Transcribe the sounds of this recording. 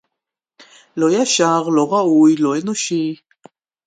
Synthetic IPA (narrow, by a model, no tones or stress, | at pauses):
lojaʃaʁloʁaujloenoʃi